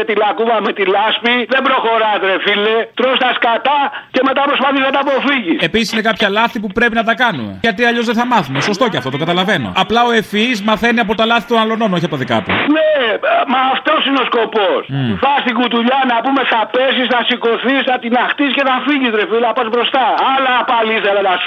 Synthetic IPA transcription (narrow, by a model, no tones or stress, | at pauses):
et̪ilɐkuvɐmet̪ilɐspiðe̞bɾo̞xo̞ɾɐst̪ɾe̞filet̪ɾost̪ɐskat̪ɐce̞me̞t̪ɐpɾospɐθisɐt̪ɐpo̞fiʝisepisisine̞kɐpçɐlɐθipupɾe̞pinɐt̪ɐkɐnumeʝɐt̪iɐʎo̞zðeθɐmɐθumeso̞st̪o̞ceɐft̪o̞t̪okɐt̪ɐlɐveno̞̰ɐplɐoe̞fizmɐθe̞niɐp̬o̞t̪ɐlɐθit̪onɐlo̞no̞noçiɐpot̪ɐðikɐ̰t̪ṵnemɐːft̪o̞sineo̞sko̞posfɐst̪iɡut̪uʎɐnɐpume̞θɐpesisθɐsiko̞θisθɐt̪inɐxt̪isce̞θɐfiʝist̪ɾefilɐpɐsbɾo̞st̪ɐɐlɐːpɐlisɐlɐt̪ɐs